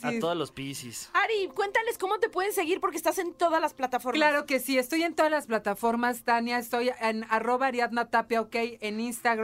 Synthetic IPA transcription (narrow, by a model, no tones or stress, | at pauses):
atoðolospisisaɾikwe̞nt̪anle̞sko̞mo̞t̪e̞pwe̞ðese̞ɣiɾpoɾk̬est̪ase̞nt̪o̞ðazlasplat̪afoɾklaɾo̞ke̞sie̞st̪o̞je̞nt̪o̞ðalasplat̪afo̞ɾmazd̪anjaest̪o̞jenaro̞βaɾjad̪nat̪apeokejeninst̪aɣ